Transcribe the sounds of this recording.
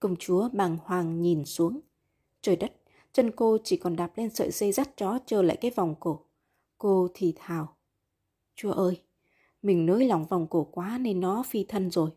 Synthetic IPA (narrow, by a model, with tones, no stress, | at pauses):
kʊ˧˩wŋ͡mt͡ɕu˨˦əɓaː˨˩ŋhwaː˨˩ŋɲi˨˩nsu˨˦əŋ | t͡ɕəː˨˩jɗə˦˥t̚ | t͡ɕə˧nko˧t͡ɕi˧˩kɔ˨˩nɗaː˨˩p̚le˧nsə̰ː˧˨jse˧za˦˥t̚t͡ɕɔ˨˦t͡ɕəː˧˩la̰ː˧˨jkaː˨˦jva˨˩wŋ͡mko˧˩ | ko˧t̪ʰi˨˩t̪ʰaː˨˩w | t͡ɕu˨˧˦əʔəː˧j | mï˨˩ŋ̟noː˨˦jla˨˩wŋ͡mva˨˩wŋ͡mko˧˩kwaː˨˦ne˧nːɔ˨˦fi˧t̪ʰə˧nzo˨˩j